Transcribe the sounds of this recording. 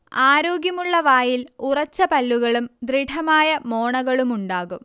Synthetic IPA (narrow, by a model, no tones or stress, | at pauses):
aːɾoːɡjɐmuɭːɐʋaːjilurɐt͡ɕːɐpɐlːuɣɐɭumd̪riʈʰɐmaːjɐmoːɳɐɣɐɭumuɳɖaːɣum